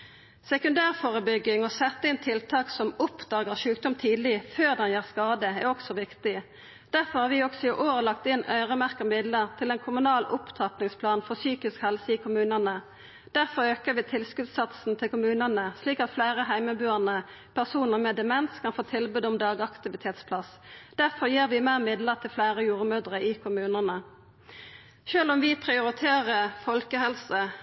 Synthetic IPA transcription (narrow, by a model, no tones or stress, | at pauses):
sɛkʉnd̪æːʁfoːʁəbʏɡɪŋɔsɛt̪ːəɪnt̪ʰɪlt̪ʰɑːksɔmʊpd̪ɑːɡəʁʃʉːkd̪ʊmt̪ʰiːd̪lɪføːʁd̪ɛnjæːʁskɑːd̪əɛʁɔksɔʋɪkt̪ɪ | d̪̥æʁfɔʁhɑːʁʋɪɔksɔɪʔoːʁəlɑk̚t̪ɪnœ̰ʏʁəmæʁkəmɪd̪ləʁt̪ʰɪlɛnkʰʊmʉnɑːlʊpt̪ʰɑpnɪŋspʰlɑːnfɔʁsyːkɪskhɛlsəɪːkʰʊmʉːnənə | d̪̥æʁfɔʁøːkəʋɪːt̪ʰɪlskʉd̪sɑt̪sn̩t̪ʰɪlkʊmʉːnənəsliːkɑt̪flæɪʁəɦæɪməbʉːənə | pʰæʁsuːnəʁmɛd̪ɛmɛnskʰɑnfoːt̪ʰɪlbʉːd̪ʊmd̪ɑːɡɑkt̪ɪʋɪt̪ʰeːt̪spʰlɑsd̪̥æʁfɔʁjiːʁʋɪmeːʁmɪd̪ləʁt̪ʰɪlflæɪʁəjuːʁəmød̪ʁəɪkʰʊmʉːnənə | ʃøːlʊmʋɪpʰʁɪʊʁɪt̪ʰeːʁəfɔlkəhɛlsə